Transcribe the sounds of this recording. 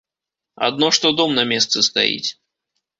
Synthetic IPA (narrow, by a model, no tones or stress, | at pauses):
a̰d̪nɔʂt̪ɔd̪ɔmnɐmʲɛst̪sɨst̪a̰jḭt͡sʲ